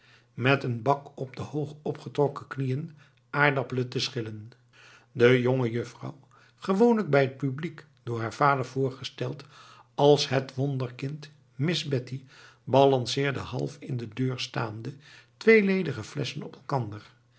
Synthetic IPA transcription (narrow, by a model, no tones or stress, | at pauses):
mɛtənbɑkɔbdəhowχɔpχətrɔkəknijən | ʔaːɹdɑplətəsχɪlən | dəjoŋəjɵfrɑ̰w | χəʋownləɡ̚bɛjɦət̚pyblik | d̥ʊːɹɦaːɹv̥aːdəɹv̥ʊːɹχəstɛlˠt | ɑlˠsɦətʋɔndəɹkɪnt | mɪzbɛti | bɑlɑnsɪːɹdəɦɑ̰lˠfɪndədøːɹsta̰ːmdətʋejlejdəχəflɛsənɔpɛlˠkɑndəɹ